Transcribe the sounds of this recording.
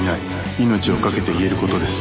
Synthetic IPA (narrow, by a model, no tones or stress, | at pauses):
nai | ino̞t͡ɕio̞kake̞t̪e̞ie̞ɾɯ̟ko̞t̪o̞d̪e̞sɨ̥